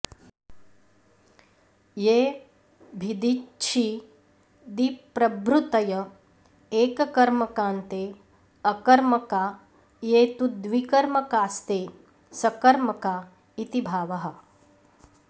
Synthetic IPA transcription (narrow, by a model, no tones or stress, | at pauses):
jeː | bʱid̪it͡ʃʰi | d̪ipɾɐbɾut̪ɐjɐ | eːkɐkɐɾmɐkaːnt̪eː | ɐkɐɾmɐkaː | jeːt̪ud̪ʋikɐɾmɐkaːst̪eː | sɐkɐɾmɐkaː | it̪ibʱaːʋɐɦɐ̆